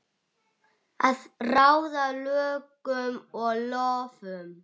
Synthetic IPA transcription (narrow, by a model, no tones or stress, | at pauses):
aðrawðalœːkʏmɔɣlɔːvʏm